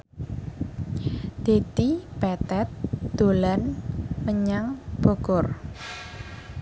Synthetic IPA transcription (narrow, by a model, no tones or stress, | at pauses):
d̪̥e̤d̪̥ib̥ɛt̪ɛt̪̚d̪̥o̤lanməɲaŋb̥oɡ̥ɔr